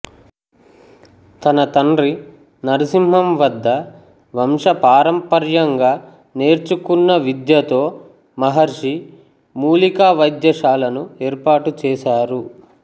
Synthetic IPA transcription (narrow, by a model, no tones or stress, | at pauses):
t̪ɐnɐt̪ɐɳɾi | nɐɾisimɦɐmʋɐd̪ːɐ | ʋɐmʂɐpaːɾɐmpɐɾjɐŋɡaː | ne̞ːɾt͡ʃukunːɐʋid̪jɐt̪o̞ː | mɐɦɐɾʂi | muːlikaːʋɐjd̪jɐʂaːlɐnueːɾpaːʈut͡ʃɛːʃaːɾu